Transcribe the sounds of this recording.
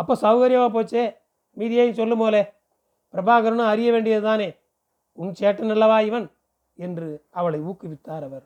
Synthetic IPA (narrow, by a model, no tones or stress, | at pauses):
ɐpːoːsɐʋɣɐɾjɐmãːp̬oːt͡ʃːeː | miːðɪjaːjɪnsɔlːɯpoːle | pɪɾɐbaːɣɐɾɐnɐ̃ɐɾɪjɐʋeːɳɖɪjɐðɯt̪aːneː | ʊnt͡ʃeːʈːɐnɐlːɐʋaːɪʋɐn | ɛndrɯɐʋɐɭɐɪuːkːɯʋɪt̪ːaːɾɐʋɐɾ